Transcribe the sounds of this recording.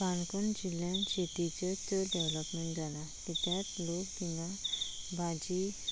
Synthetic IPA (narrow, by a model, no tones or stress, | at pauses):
kankəɳd͡ʑiljanɕeʈ̪it͡sət̪əɖeʋləpmẽɳʈ̚d͡zʱala | t̪it̪jat̪lokt̪ina | bʱad͡ʑi